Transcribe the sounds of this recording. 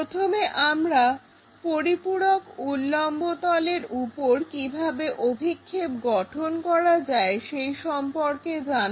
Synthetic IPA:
ot̪ʰomeʔamɾa | poɾipuɽokulːɔmbot̪ɔleɾupoɾkibʱabeʔobʱikʰːepɡɔʈʰonkɔɾad͡ʑaeʃejʃɔmpoɾked͡ʑan

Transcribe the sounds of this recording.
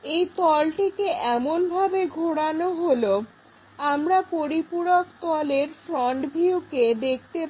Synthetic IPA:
ejt̪ɔlʈikeʔɛmonbʱabeɡʱoɽanoɦolo | amɾapoɾipuɽokt̪ɔleɾfɾɔɳɖbʱiuked̪ek̚ʰt̪e

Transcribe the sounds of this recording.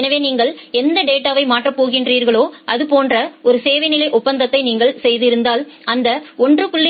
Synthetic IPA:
ɛnɐʋeːniːŋɡɐɭɛnd̪ɐɖeːʈːaːʋɐɪmaːʈrɐpoːɣɪndriːɾɣɐɭoːɐðɯpoːndrɐɔɾɯseːʋɐɪnɪlɐɪʔʊpːɐnd̪ɐt̪ːɐɪniːŋɡɐɭsɛjðɪɾɯnd̪aːlɐnd̪ɐɔndrɯpʊɭːɪ

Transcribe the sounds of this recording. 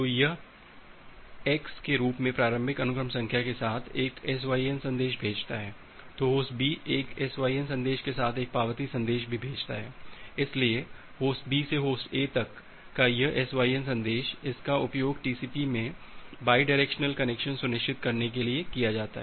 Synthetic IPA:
t̪oːjɐ | ɛːkskeɾuːpmẽpɾaːɾə̃mbʱɪkɐnʊkɾəmsɐ̃ŋkʰjakesaːt̪ʰeːkɛːs̬ʋaːiənsɐ̃nd̪eːʃbʱeːd͡ʒt̪aɦɛː | t̪oɦoːsʈbiʔeːkɛsʋaːiənsɐ̃nd̪eːʃkesaːt̪ʰeːk̚paːʋət̪isɐ̃nd̪eːʃbʱibʱeːd͡ʒt̪aɦɛːɪslie | hoːsʈ̚biːseɦoːsʈeːt̪ɐkː | ajɐʔɛsʋaːiənsɐ̃nd̪eːʃɪskaʊpjoːɡʈiːsiːpimẽ | baːiɖaɾɛːkʃnəlkɐnɛkʃənsʊnɪʃt͡ʃɪt̪kɐɾnek̬eliekijad͡ʒaːt̪a̰ɦɛː

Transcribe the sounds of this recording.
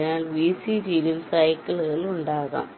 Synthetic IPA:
naːlʋiːsid͡ʑilumsɐjkːɐɭɣɐɭuɳɖaːɣɐ̰m

